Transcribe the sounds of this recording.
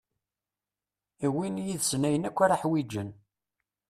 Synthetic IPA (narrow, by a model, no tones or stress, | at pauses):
iwinjiðsnæjənækʷːaɾaħwid͡ʒən